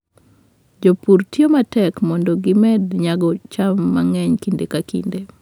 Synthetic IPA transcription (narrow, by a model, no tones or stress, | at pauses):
d͡ʒopurtjomatɛkmɔndɔɡɪmɛdɲaɡɔt͡ʃamːaŋɛɲkindekakḭnde